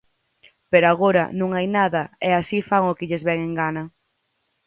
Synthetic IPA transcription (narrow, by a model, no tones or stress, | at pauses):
peɾoaɣ̞oɾɐ̰nũŋajnaðɐɛasifaŋʊkɪʎɪzβɛŋeŋɡanɐ